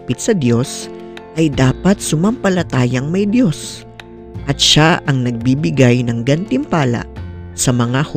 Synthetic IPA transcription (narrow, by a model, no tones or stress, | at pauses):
pɪt̪̚sɐd̪jo̞s | ʔɐjd̪aːpɐt̪̚sʊmɐmpɐlɐt̪aːjɐŋmɐjd̪jo̞s | ʔɐt̪̚ʃaʔɐŋnɐɡ̚bibɪɡajnɐŋɡɐnt̪ɪmpaːlɐ̰ʔsɐmɐŋah